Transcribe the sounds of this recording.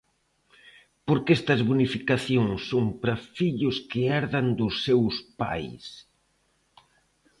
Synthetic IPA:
poɾkɛst̪ɐzβunifikaθjoŋsːoŋpɾɐfiʎʊskɪɛɾðɐnd̪ʊsːewspa̰js

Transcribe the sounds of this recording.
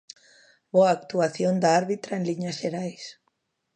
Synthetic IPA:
boaːk̚t̪uaθjond̪aaɾβit̪ɾaenliɲasʃeɾajs

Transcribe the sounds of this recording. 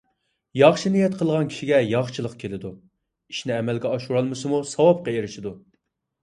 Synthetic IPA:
jɑχʃinijɛt̪qʰəlˠʁɑnkʲʰi̥ʃiɡʲɛjɑχʃʰɨlˠəqkʲʰelɪd̪u | i̥ʃnɪɛmɛlɡʲɛɑʃuɾɑlˠmɨsɨmusɑwɑp̚qɑeɾɪʃid̪u

